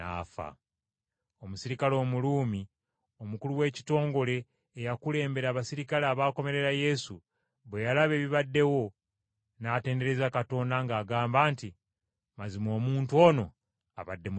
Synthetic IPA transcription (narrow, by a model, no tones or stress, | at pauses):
a̰ːfa̰ | o̞musiɾikalo̞ːmuluːmi | o̞mukuluwe̞ːci̥to̞ːŋɡo̞le̞ː | jakule̞ːmbe̞ɾaːβasiɾikalaːβaːko̞me̞ɾe̞ɾaje̞su | βwe̞jalaβe̞ːβiβadːe̞wo̞ | naːte̞ːnde̞ɾe̞zakato̞ndaŋɡaːɡaːmbaːnti | mazimo̞ːmuːntuo̞no̞ | a̰βadːe̞mu